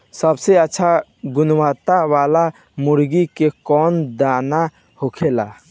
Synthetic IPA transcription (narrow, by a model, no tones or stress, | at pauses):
səbseətːʃʰaɡʊnwaːt̪aʋaːla | mʊɾɡikekɔːnd̪aːna | hokʰela̰ː